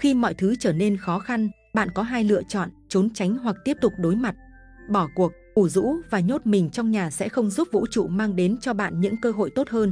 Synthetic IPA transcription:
xi˧mɔ̰˧˨jt̪ʰɨ˨˦t͡ɕəː˧˩ne˧nxɔ˨˦xa˧n | ɓa̰ː˧˨nkɔ˨˦ɦaː˧jlɨ̰˧˨ət͡ɕɔ̰˧˨nt͡ɕo˨˦nt͡ɕa˨˦jŋ̟ɦwa˨˩k̚t̪i˦˥əp̚t̪ʊ˨˩k͡p̚ɗo˨˦jma˨˩t̚ | ɓɔ˧˩ku˨˩ək̚ʔu˧˩zṵ˧˥vaː˨˩ɲo˦˥t̚mï˨˩ŋ̟t͡ɕɔ˧wŋ͡mɲaː˨˩sɛ̰˧˥xə˧wŋ͡mzu˦˥p̚vṵ˧˥t͡ɕṵ˧˨maː˧ŋɗe˨˦nt͡ɕɔ˧ɓa̰ː˧˨nɲɨ̰˧˥ŋkəː˧ɦo̰˧˨jt̪o˦˥t̚həː˧n

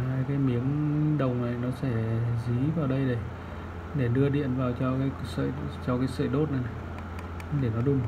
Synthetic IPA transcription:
haː˧jkaː˨˦jmi˨˦əŋɗə˨˩wŋ͡mna˨˩jnɔ˨˦sɛ˧˩zi˨˦vaː˨˩wɗə˧jɗe˧˩ | ɗe˧˩ɗɨ˧əɗḭ˧˨ənvaː˨˩wt͡ɕɔ˧kaː˨˦jksə̰˧˨jt͡ɕɔ˧kaː˨˦jsə̰ː˧˨jɗo˦˥t̚ʔa˨˩jna˨˩ | ɗe˧˩nɔ˨˦ɗu˧˩m

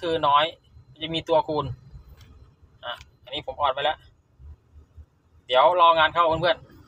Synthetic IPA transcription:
kʰɯː˧nɔː˦˥j | t͡ɕa˧˩miː˧t̪u˧ɐkʰuː˧n | ha˧˩ʔa˧nːiː˦˥pʰo˩˦mʔɔː˨˩npa˧jlɛ˦˥ʔ | d̪i˩˦əwlɔː˧ŋaː˧nkʰa˥˩wʰu˧˦npʰɯ˥˩ən

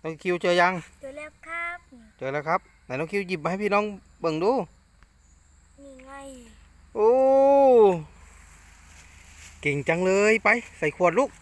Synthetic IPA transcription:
nɔ˧˥ŋkʰi˧˨wt͡ɕɤː˧ja˧ŋ˧lːkʰa˦t͡ɕɤː˧˩lɛː˧˩˨kʰa˦˥p̚na˧˩nɔː˧˥ŋkʰi˧˨ji˧˩p̚ma˧˨jpʰiː˧˨nɔː˧˥˨ŋ | bɤ˧˩˨ŋduː˧ | ʔoː˧ | ke˨˩ŋt͡ɕa˧ŋlɤː˧jpa˧jsa˧˩jkʰu˧˩ət̪̚lu˦˥k̚

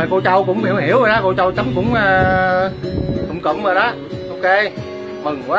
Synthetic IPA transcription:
ko˧t͡ɕə˧wkʊ̰˧˥ŋ͡mhi˨˩whi˧˩əwɗa˨˦˥ko˧t͡ɕə˧wt͡ɕə˨˦ŋ͡mkʊ̰˧˥ŋ͡maː˧ | t̪ə̰˨˧˩wŋ͡mkə̰˧˩˦ŋ͡mvəː˨˩jɗɔ˨˦ | ʔo˧ke˧ | mɨ˨˩ŋkwaː˨˦

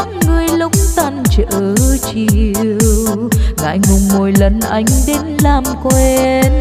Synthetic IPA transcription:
ŋɨ˨˧əjlʊ˧˥ŋ͡m̚t̪aː˧nt͡ɕəː˧˨t͡ɕi˧əəwɣa̰ː˧˥jŋʊ˨˩ŋ͡mmo˨˩jlə˨˩nʔa˨˩jŋ̟ɗe˨˦nlaː˨˩mkwɛ˧n

